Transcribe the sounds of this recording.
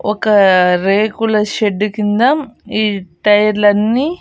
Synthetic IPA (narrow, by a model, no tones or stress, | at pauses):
ɔ̰kɐɾeːkulɐʃeɖːukind̪ɐmiːʈɐjɐɾlɐnːiː